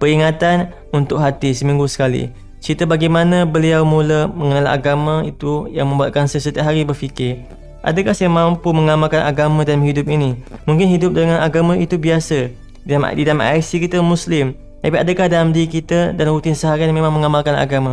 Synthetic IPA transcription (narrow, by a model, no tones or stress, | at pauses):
pəɾiŋat̪an | unt̪ʊkɦat̪isəmĩŋɡusə̥kalḭ | t͡ʃit̪əbaɡajmanãbəliawmũləmə̃ŋənala̰ɡamãit̪ujaŋmə̃mbuat̪̚kansəsət̪iaʔɦaɾibərfikɪr | ʔa̰dəkahsajamãmpuməŋamalkanʔa̰ɡamãdanmɦidʊp̚inimuŋkɪnɦidʊp̚dəŋãnaɡamãit̪ubiasə | m̰didalamʔa̰jsikit̪əmũslɪm | t̪apiʔadəkahdalamdikit̪ədanɾut̪ɪnsəɦaɾianmẽmãŋməŋamalkana̰ɡama